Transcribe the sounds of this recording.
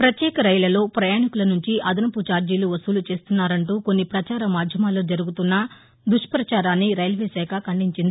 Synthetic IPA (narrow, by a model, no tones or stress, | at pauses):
pɾɐt̪jɛːkɐɾɐjlɐlo̞ːpɾɐjaːɳikulɐnuɲt͡ʃiʔɐd̪ɐnɐput͡ʃaːɾd͡ʒiːluʋɐsuːlut͡ʃe̞ːst̪unːaːɾɐɳʈuːko̞nːipɾɐt͡ʃaːɾɐmaːd̪ʱjɐmaːloːd͡ʒɐɾuɡut̪unːɐ | d̪uʂpɾɐt͡ʃaːɾaːnːiɾɐjlʋeːsɛːkʰɐkɐɳɖiɲt͡ʃind̪ii